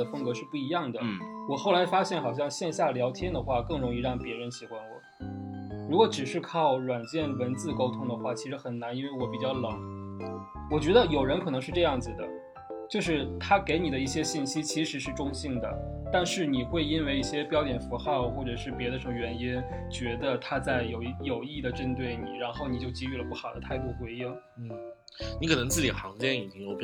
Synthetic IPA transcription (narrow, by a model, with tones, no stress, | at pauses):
ə˩fə˥ŋkɤ˧˥ʂɻ̩˥˧pu˥˩i˧˥jɑ˥˩ŋd̪ə˩wɔ˨˩xo˥˩la˧˥ɪfa˥ɕjɛ˥˩nxɑ˨˩ʊɕ̬jɑ˥˧ŋɕjɛ˥˧nɕja˥˩ljɑ˧˥ʊt̪ʰjɛ˥nd̪ə˨xwa˥˧kɤ˥˩ŋɻʊ˧˥ŋi˥˧ɻɑ˥˩ŋpjɛ˧˥ɻə˧˥nɕi˨˩xwa˥nwɔ˨˩˦ | ɻu˧˥kwɔ˧˥ʈ͡ʂɻ̩˨˩ʂɻ̩˥˧kʰɑ˥˩ʊɻwa˨˩nt͡ɕjɛ˥˩nwə˧˥nt͡sɹ̩˥˩ko˥ʊt̪ʰʊ˥ŋd̪ə˨xwa˥˩t͡ɕʰi˧˥ʂɻ̩˧˥xə˨˩nna˧˥ni˥nwe˥˩ɪwɔ˧˩˥pi˨˩t͡ɕjɑ˥˩ʊlɤ˨˩˦ŋ | wɔ˨˩t͡ɕɥɛ˧˥d̪ə˧jo˨˩ʊɻə˧˥nkʰɤ˨˩ɤ˧˥ŋʂɻ̩˥˧ʈ͡ʂɤ˥˧jɑ˥˩ŋd͡zɹ̩˩d̪ə˩ | t͡ɕjo˥˧ʊʂɻ̩˥˩t̪ʰa˥ke˧˥ɪni˨˩d̪ə˦i˥˩ɕjɛ˥ɕi˥˩nɕi˥t͡ɕʰi˧˥ʂɻ̩˧˥ʂɻ̩˥˩ʈ͡ʂʊ˥ŋɕi˥˩ŋd̪ə̰˩ | t̪a˥˧nʂɻ̩˥˩ni˨˩xwe˥˩ɪi˥nwe˥˧ɪi˥˩ɕjɛ˥pjɑ˥t͡ɕjɛ˨˩nfu˧˥xɑ˥˧ʊxwɔ˥˩ʈ͡ʂɤ˨˩ʂɻ̩˥˩pjɛ˧˥d̪ə˧ʂə˧˥mə˧ɥɛ˧˥ni˥n | t͡ɕɥɛ˧˥d̪ə˧t̪ʰa˥t͡sa˥˩ɪjo˨˩ʊ˥jo˨˩ʊi˥˩d̪ə˩ʈ͡ʂə˥nt̪̬we˥˩ɪnḭ˨˩ɻa˧˥nxo˥˩ʊni˨˩t͡ɕjo˥˩ʊt͡ɕi˥y˥˩lə˩pu˥˩xɑ˨˩ʊd̪ə˦t̪ʰa˥˧ɪt̪u˥˩xwe˧˥ɪi˥ŋn̩˥˩ | ni˧˥kʰɤ˨˩nɤ˧˥ŋt͡sɹ̩˥˩t͡ɕi˨˩xɑ˧˥ŋt͡ɕjɛ˥ni˨˩t͡ɕi˥ŋjo˧˥ʊp